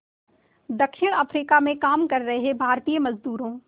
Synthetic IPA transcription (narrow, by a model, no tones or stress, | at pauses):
d̪ɐkʃɪɽ̃ɐfɾiːkamẽkaːmkɐɾːɐɦeɦebʱaːɾt̪iːəmɐzd̪uːɾõ